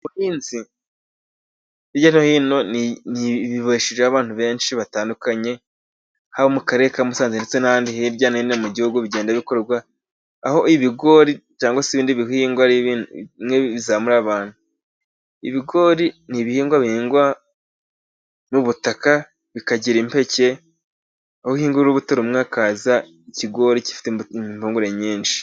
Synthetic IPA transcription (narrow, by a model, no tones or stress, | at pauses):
uhiːnzi | iɟanohino̞niniβiβoʃiʒeaβaːn̥uβe̞ːnʃiβataːndukaɲe̞ | haβomukaɾekamusaːnzenet͡senaaːndiɦiɾɟaːnainemuɟihuɡuβiɟeːndaβikoɾeɡwaː | ho̞iβiɡo̞ːɾit͡ʃaːŋɡwasiβiːndiβihiːŋɡwaɾimŋeβizaːmuɾaβaːn̥hu | iβiɡo̞ːɾiniβihiːŋɡwaβihiːŋɡwa | muβutaka | βikaɟiɾimpe̞ce̞ | ahohiːŋɡuɾɾuβutoɾumŋakaːza | iciɡo̞ɾici̥fi̥temimhuːŋɡuɾe̞ɲiːnʃi̥